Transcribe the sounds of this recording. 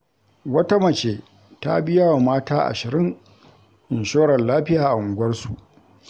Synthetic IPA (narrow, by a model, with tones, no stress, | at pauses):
wɐ˦ta˦mɐ˨t͡ʃeː˨ | ta̰˦bɪ˦jaː˦wa˨maː˦taː˦ʔa̰˨ʃɪ˨ɾɪ˦ŋ | ʔɪ˨nʃoː˦ɽɐ˨nlaː˦ɸɪ˦jaː˨ʔa˨ʔʊ˨ɡʷɐ˦rsu˨ʔ